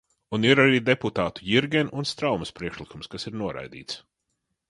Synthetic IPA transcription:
uniɾaɾiːd̪eput̪aːt̪ujiɾɡʲɛnunst̪ɾawmɐspɾiɛʃlˠikumskasiɾnuɔɾa̰jd̪ḭːt̪s

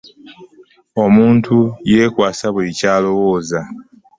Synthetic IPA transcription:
o̞muːntʰuje̞ːkwaːsaβulicaːlo̞wo̞ːza

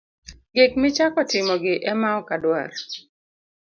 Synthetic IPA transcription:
ɡek̚mɪt͡ʃakɔtɪmɔɡɪʔɛmaɔkadwa̰r

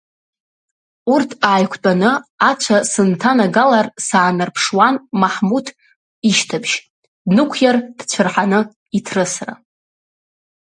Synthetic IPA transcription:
urtʰaːjkʷʰt͡pʼanɨat͡ʃʷʰasɨntʰanaɡalarsaːnɨrpʰʂwanmaħmutʰ | iʃtʰabʒ | nɨkʷʰjard̥t͡ɕʷʰɨrħanɨ | itʰrɨsra̰

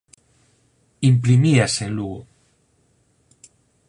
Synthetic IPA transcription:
impɾimiasenluɣo

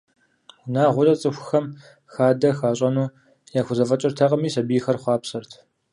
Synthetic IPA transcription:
naːʁʷʊrɐt͡sʼɨxʷxɐm | xaːdɐxaːɕʼɐnuː | jaːxʷʊzɐfɐt͡ʃʼɪrtʰɐqʼəmiːsɐbiːxɐrχʷɑːpsɨrtʰ

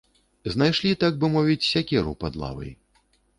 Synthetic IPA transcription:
znajʂlʲit̪aɡ̚bɨmɔvʲit͡sʲsʲakʲɛɾṵpad̪lˠa̰vɐ̰j

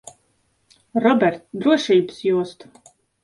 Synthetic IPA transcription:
rɔbʲɛrt̪d̪ɾuɔʃiːbsjuɔst̪

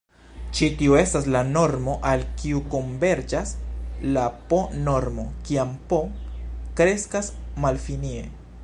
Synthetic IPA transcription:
t͡ʃitioe̞stas̬lano̞ɾmo̞ʔalkiuko̞mbe̞ɾd͡ʒaslapo̞no̞ɾmo̞kiampo̞kɾe̞skasmalfinie̞

